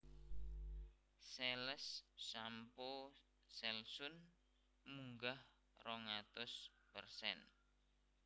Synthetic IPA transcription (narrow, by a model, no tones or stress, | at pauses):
sɛləsːampo | sɛlsʊn | muŋɡah | rɔŋat̪ʊs | pərsɛ̰n